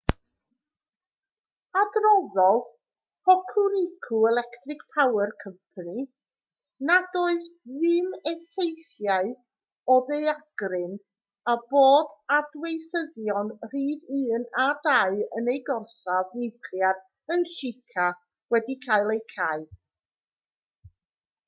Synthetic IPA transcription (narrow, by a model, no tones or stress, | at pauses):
adrɔðɔð | pʰɔkʰunɪkʰuɛlˠɛktʰrɪkpʰawɛrkʰəmpʰani | nadoɨððɨmɛfejθjaɨ | ɔdejaɡ̥rɪn | aboːdadwejθəðjɔnr̥iːðɨːnadaɨənejɡɔrsavnɪkʰljar | ənʃɪkʰa | wɛdikʰajlˠejkʰaɨ